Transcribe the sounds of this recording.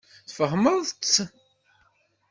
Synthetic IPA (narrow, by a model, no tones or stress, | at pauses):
θfəɦməɾðt͡sː